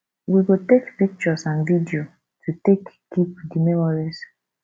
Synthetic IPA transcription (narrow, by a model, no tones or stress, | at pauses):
wiɡotekpik̚t͡ʃɔsãnvidio | tʰutek | ɡip̚dimɛmɔɹis